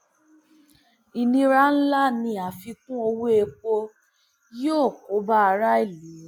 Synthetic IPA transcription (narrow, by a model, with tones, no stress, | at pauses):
i˧nĩ˧ɾa˦n̩˦la˦nĩ˧a˨fi˧kũ˦o˧wu˦e˧k͡po˧ | jo˦˨ko˨˦ba˦a˧ɾa˦i˦˨lĩ˨˦˨